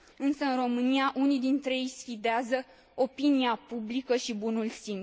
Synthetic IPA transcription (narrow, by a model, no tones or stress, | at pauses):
ɨnsəɨnro̞mɨniaʔunid̪int̪ɾeejsfid̪eazə | opiniapublikəʃibunulsim